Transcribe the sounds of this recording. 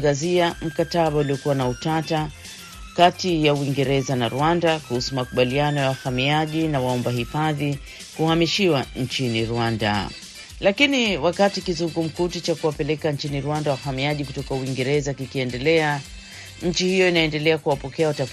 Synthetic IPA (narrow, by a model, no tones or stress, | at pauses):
ɡaziam̩kataɓauliɔkuwanautata | katijauwiŋɡɛɾɛzanaɾuandakuhusumakuɓalianɔjawahamiaʄinawaɔmbahifaði | kuhamiʃiwaɲ̩t͡ʃiniɾuwanda̰ | lakiniwakatikizuŋɡum̩kutit͡ʃakuwapɛlɛkaɲt͡ʃiniɾuwandawahamiaʄikutɔkauwiŋɡɛɾɛzakikiɛndɛlɛa | ɲ̩t͡ʃihijɔinaɛndɛlɛakuwapɔkɛawataf